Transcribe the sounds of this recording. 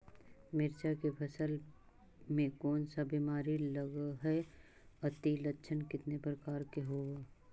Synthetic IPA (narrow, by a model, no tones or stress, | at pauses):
mɪɾt͡ʃakepʰəsəl | mẽkɔːnsabimaːɾiləɡaɦɛ | ɐt̪ilətːʃʰənkɪt̪nepɾəkaːɾkeɦoːa